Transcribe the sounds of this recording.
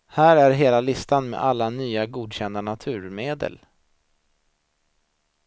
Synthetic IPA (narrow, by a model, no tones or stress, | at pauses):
hæːɾæɾɦeːlalɪst̪anmḛʔalːanyːaɡuːd̪ɕɛnd̪anat̪ʰʉ̟ːɾmeːd̪ə̰l